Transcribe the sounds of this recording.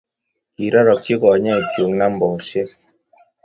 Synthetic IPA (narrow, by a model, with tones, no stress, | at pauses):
i˨ɾɔ˦ɾɔ˨k̚ki˦kɔ˨ɲɛ˦˨t͡ʃo˨ŋna˦m̩˦bɔ˨se˦